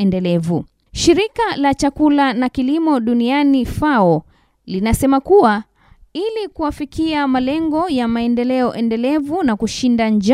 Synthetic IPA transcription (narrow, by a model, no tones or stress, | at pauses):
ɛndɛlɛvu | ʃiɾikalat͡ʃakulanakilimɔɗunianifaɔ | linasɛmakuwa | ilikuwafikiamalɛŋɡɔjamaɛndɛlɛɔʔɛndɛlɛvunakuʃindand͡ʒ